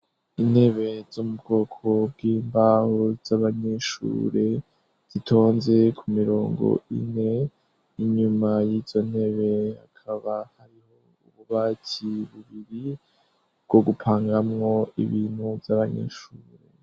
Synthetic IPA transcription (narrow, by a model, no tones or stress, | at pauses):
in̥he̞βe̞zumub̚ɡo̞ːkʰo̞b̚ɡiːmbahoz̥aβaɲe̞ʃṵːɾe̞ | z̥itʰo̞ːnze̞kʰumiɾo̞ːŋɡo̰ḭne̞ | iɲumajiz̥o̞n̥he̞βe̞akʰaβahaɾiho̞ | uβuβaːcʰiβuβiɾi | bɡ̥o̞ɡupʰaːŋɡamŋo̞ḭβiːn̥huvjaβaɲḛʃuːɾe̞